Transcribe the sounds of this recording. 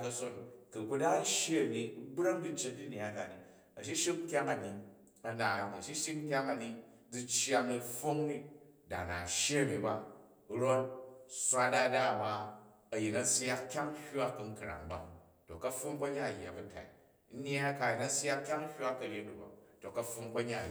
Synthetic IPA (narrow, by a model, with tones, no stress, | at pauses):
kɐ˧so˦nkɨ˨ku˦da˦ʃji˦ɐ˨ni˨˦bɾa˦ŋdi˦t͡ʃːe˦t̚di˦n˦˨a˦da˨ni˨ | ɐ˨ʃi˦ʃi˦k̚ŋ̩˦kʲa˦ŋɐ˨ni˨ | ɐ˨na˨nɐ˨ʃi˦ʃi˦kŋ̩˦kʲa˦ŋa˨ni˨ | d͡zi˧t͡ʃja˧nɐ˧fo˦ŋni˦ | da̰˨na̰˨ʃji˦ɐ˨ni˨ba˨ | ɾo˦t̚sʷa˦da˦da˦˨ba˦ | ɐ˨ji˨nɐ˨sja˦kkʲa˦ŋ˦hʲa˦ku˨ŋ̩˦kɨ˨ɾa̰˨ŋba̰˨ | to˨kɐ˦fo˦mk͡pɐ˦ɲa˦ɐ˨jːa̰˨bɐ˨ta̰˨i˨˦ | n˦a˦ka˨ji˨nɐ˦sa˦kkʲa˦ŋ˦hʲwa˦kɐ˨ɾʲe˦nu˨ba̰˨to˨kɐ˦fo˧ŋkɐ˦ɲa˦˨